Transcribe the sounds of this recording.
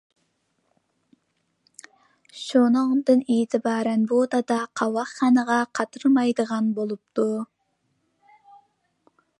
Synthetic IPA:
ʃonoŋd̪ɯniːt̪ɪbɑɾɑnbud̪ɑd̪ɑqʰɑwɑχɑnɑʁɑqʰɑt̪ɯɾmɑjd̪ɯʁɑnbolˠup̚t̪u

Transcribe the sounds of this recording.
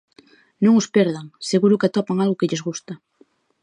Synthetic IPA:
nõŋʊspɛɾðaŋseɣuɾʊkeat̪ɔpaŋalɣʊkɪʎezɣust̪a

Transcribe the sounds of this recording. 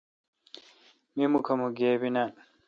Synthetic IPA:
mimukʰɐmuɡeːbina

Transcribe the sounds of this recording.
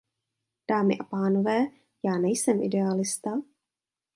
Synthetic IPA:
d̥aːmɪ̰ʔapaːno̞vɛː | jaːnɛjsɛmʔɪ̰dɛalɪst̪a

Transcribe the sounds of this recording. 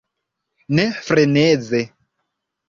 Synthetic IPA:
nɛfɾɛnɛːd͡zɛ

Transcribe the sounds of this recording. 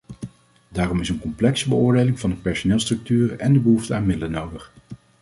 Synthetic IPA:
daːrɔmɪsənkɔmplɛksəbəʊːɹdejlɪŋvɑndəpɛɹsonɪːlˠstrɵk̚tyːrɛndəbəɦuftəaːnmɪdələnowdəχ

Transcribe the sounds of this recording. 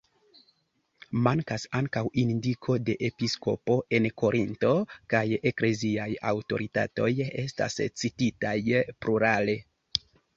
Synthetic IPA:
maŋkasaŋkawindikʰo̞de̞ʔepisko̞̰po̞ʔe̞nko̞ɾʔinto̞kaje̞kle̞ziaja̰wto̞̰ɾita̰to̞je̞sta̰st͡sititajpluɾale̞

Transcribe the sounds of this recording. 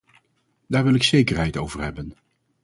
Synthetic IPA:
daːɹʋɪlˠɪksejkəɹɦɛjtowvəɹɦɛbən

